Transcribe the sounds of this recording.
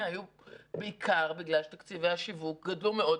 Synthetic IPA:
haju | beikʰaʁbiɡlalʃet̪akt͡siveaʃivuk̚ɡɐd̪lumeo̞

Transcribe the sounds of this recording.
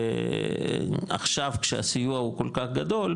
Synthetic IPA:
a̰χʃavkʃea̰sijuahuko̞lkaχɡad̪o̞l

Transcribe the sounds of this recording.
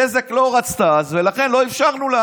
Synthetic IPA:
ezekloʁat͡st̪azvelaχenlo̞ifʃaʁnula

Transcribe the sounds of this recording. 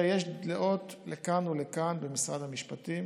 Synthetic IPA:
jeʃddleʔo̞t̪lekanulekanbemisʁad̪amiʃpat̪im

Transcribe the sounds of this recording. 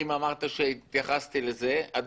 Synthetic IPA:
imamaʁt̪aʃeit̪jaχast̪ileze̞ad̪

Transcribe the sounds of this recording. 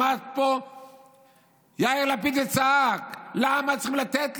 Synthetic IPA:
at̪̚po | jaiʁlap̬id̪et͡saaklamat͡siχimlat̪et̪

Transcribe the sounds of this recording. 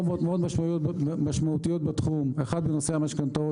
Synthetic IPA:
od̪meod̪maʃmaujot̪bmaʃmaut̪ijot̪̚bat̪χumeχad̪benoseamaʃkant̪o

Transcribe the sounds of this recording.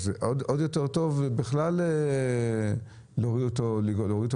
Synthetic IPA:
zeʔod̪od̪jot̪eʁt̪o̞vbiχlale | loʁiot̪oliɡloʁit

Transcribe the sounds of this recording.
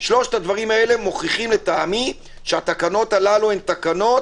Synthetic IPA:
ʃlo̞ʃt̪ad̪vaʁimae̞le̞mo̞χiχimle̞t̪aːmi | ʃeat̪akano̞t̪alaluent̪akano̞t

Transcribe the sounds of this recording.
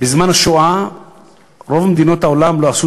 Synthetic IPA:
bizmanaʃoa | ɾovamed̪inot̪aolamloasu

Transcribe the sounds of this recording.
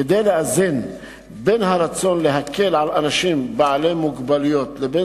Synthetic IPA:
ed̪ejleʔazin | be̞nɦaɾat͡so̞nleɦakʰe̞lʕalanaʃimbaʕalemuɡbalujo̞t̪lebe

